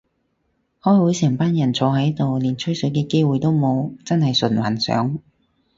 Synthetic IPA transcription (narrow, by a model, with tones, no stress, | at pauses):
hɔː˨˥jwuː˨˥jsɛː˨˩ŋpaː˥njɐ˨˩nt͡sʰɔː˨˧˥ɦɐ˨˥jt̪o˨wliː˨˩nt͡sʰɵ˥jsɵ˨˥jkɛː˧ke˥jwuː˨jt̪o˥wmo˨˧wt͡sɐ˥nhɐ˨jsɵ˨˩nwɐ˨˩nsœ̰ː˨˥ŋ